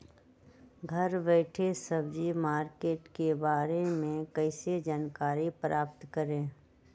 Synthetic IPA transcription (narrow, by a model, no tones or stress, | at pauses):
ɡʱəɾbɛɪʈʰesəbd͡ʒimaːɾkeːʈkebaːɾemẽkəɪsed͡ʒaːnkaːɾipɾʔaːpt̪kəɾẽː